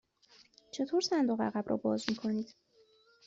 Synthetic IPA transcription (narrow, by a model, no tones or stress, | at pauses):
t͡ʃʰe̞t̪ʰoɾsænd̪oɣæ̰ɣæbɾɒ̰ːbɒːzmiːkʰo̞niːd̪̥